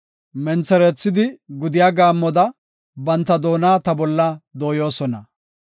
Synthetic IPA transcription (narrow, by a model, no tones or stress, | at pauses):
mɛnt͡sɛɾɛt͡sːɪd̪ɪɡʊd̪ɪjaːɡaːmːɔd̪ɐ | bɐnt̪ːɐd̪o̞ːnaːt̪ɐbɔlːad̪o̞ːjo̞ːsɔnɐ